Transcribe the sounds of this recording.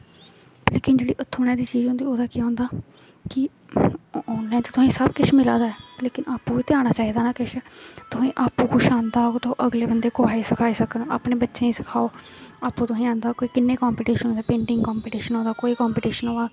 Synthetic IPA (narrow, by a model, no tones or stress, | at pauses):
leːkɪnd͡ʒeːɽḭːʔʊt̪ʰːoːɽɛːd̪iːt͡ʃiːzɦʊ̃nd̪iːoːd̪aːkiãːnd̪aː | kɪ | onɛ̃ːt̪ot̪ʊsĩːsəbkɪt͡ʃʰmɪla̰ːd̪aːɛːleːkɪnʔaːpũːiːt̪eaːɽ̃aːt͡ʃaːiːd̪aːnaːkɪʃɛːt̪ʊsĩːʔaːpuːkʊʃãːnd̪aːoːt̪õʔəɡleːbənd̪eːkʊaːiːsəkʰaːiːsəkənoːa̰ːpneːbətːʃẽːiːsə̥kʰaːoːaːpũːt̪ʊsĩːãːnd̪aːkoːiːkɪnːeːkaːmpiːʈiːʃənːd̪aːpẽːɳʈɪŋɡkɔːmpiːʈiːʃənɦõːd̪aːkoːiːkɔːmpiːʈiːʃənõːaː